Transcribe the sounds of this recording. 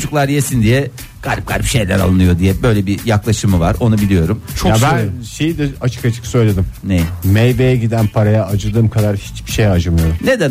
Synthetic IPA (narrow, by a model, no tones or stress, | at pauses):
d͡ʒuklˠaɾjesind̪ijɛ | ɡ̥aɾʲp̚ɡ̥a̰ɾpʃe̞jlʲæ̰ɾa̰lˠɯnɯjo̞d̪ijɛbø̞jlʲɛbijaklˠaʃɯmɯvaɾo̞nubilʲijo̞ɾumt͡ʃʰoab̪ænʃejid̪ɛat͡ʃʰɯ̥kat͡ʃʰɯ̥ksø̞jlʲe̞d̪imnejmejvejɛɟid̪ænpʰaɾajaːd͡ʒɯd̪ɯːmkʰad̪aɾhit͡ʃbi̥ʃejad͡ʒɯmɯjned̪æ